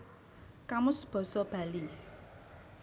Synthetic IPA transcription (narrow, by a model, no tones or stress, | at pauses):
kamʊsb̥ɔ̤sɔb̥a̤li